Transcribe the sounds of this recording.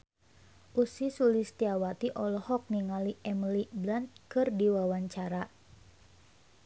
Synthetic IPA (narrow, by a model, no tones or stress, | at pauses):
ʔusisulist̪iawat̪iʔɔlɔhɔk̚niŋaliʔɛmliblant̪̚kɨrdiwawaɲt͡ʃaɾa